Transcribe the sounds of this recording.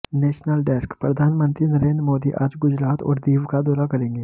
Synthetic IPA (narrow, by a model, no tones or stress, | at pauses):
nɛːʃnəlɖɛːskpɾɐd̪ʱaːnmə̃nt̪ɾinəɾeːnd̪ɾmoːd̪iʔaːd͡ʒɡʊd͡ʒɾaːt̪ɔ̰ːɾd̪iːʋkad̪ɔːɾakɐɾẽːŋɡeː